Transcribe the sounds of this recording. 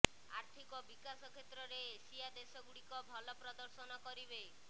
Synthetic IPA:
aɾt̪ʰikɔbikasɔkʰet̪ɾɔɾeːsiad̪esɔɡuɽikɔbʱɔlɔpɾɔd̪ɔɾsɔnɔkɔɾibe

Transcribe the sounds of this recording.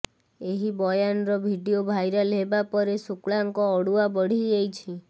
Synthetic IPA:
eɦibɔjanɔɾɔbʱiɖiobʱajɾalebapɔɾesukɭaŋkɔːɽuabɔɽ̤iejt͡ʃʰi

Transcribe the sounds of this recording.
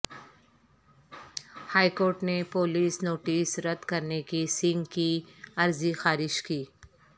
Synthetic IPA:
haːikoːɾʈnepoːliːsnoːʈiːsɾɐd̪kɐɾnekisɪ̃ŋɡkiɐɾzixaːɾɪʃkiː

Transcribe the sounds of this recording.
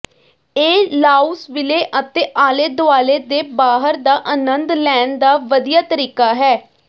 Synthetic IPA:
eːlaːusʋɪleːʔət̪eːʔaːleːd̪ʊaːleːd̪eːbaːɦəɾd̪aːʔənənd̪lɛːnd̪aːʋəd̪ijaːt̪əɾiːkaːɦɛː

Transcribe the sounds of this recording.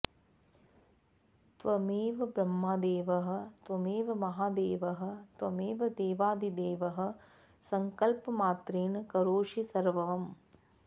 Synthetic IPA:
t̪ʋɐmiːʋɐbɾɐmːaːd̪eːʋɐɦɐ̆t̪ʋɐmiːʋɐmɐɦaːd̪eːʋɐɦɐ̆t̪ʋɐmiːʋɐd̪eːʋaːd̪id̪eːʋɐɦɐ̆ | sɐŋkɐlpɐmaːt̪ɾeːnɐkɐɾoːʂisɐɾʋɐʋɐm

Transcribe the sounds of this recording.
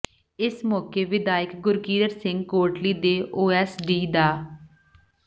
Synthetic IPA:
ɪsmɔːkeːʋɪd̪aːɪkɡʊɾkiːd̪əɾsɪŋɡ̚koːʈliːd̪eːʔoːɛːsɖiːd̪aː

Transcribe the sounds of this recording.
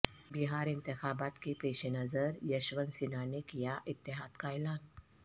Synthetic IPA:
biɦaːɾɪ̃nt̪ɪxaːbaːt̪kepeːʃenəzəɾjɐʃʋənsinanekijaʔɪt̪ːɪɦaːd̪kaɛːlaːn

